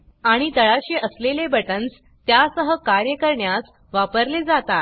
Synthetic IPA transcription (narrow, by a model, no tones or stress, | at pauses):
aɽ̃it̪əɭaɕiʔəslelebəʈənt͡s | t̪jasəɦəkaɾjəkəɾɳjas | ʋapəɾled͡zat̪a